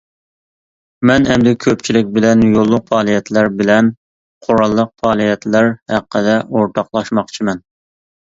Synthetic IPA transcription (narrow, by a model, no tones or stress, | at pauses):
mɛnɛmd̪ɛkʲʰøp̚t͡ʃʰilɪk̚ʲbɪlɛnjolˠːʊqfɑːlˠijɛt̪ʰlæɾbɪlɛn | qʰoɾɑlˠːəq̚fɑːlˠijɛt̪læɾhæqːəd̪ɛʔoɾt̪ʰɑqlˠɑʃmɑqt͡ʃʰimɛn